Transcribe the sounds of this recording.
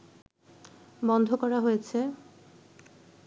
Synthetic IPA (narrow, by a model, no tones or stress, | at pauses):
bɔnd̪ʱokɔɾaɦojet͡ɕʰe